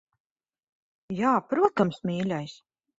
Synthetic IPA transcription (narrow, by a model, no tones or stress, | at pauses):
jaːpɾuɔt̪amsmʲiːlʲajs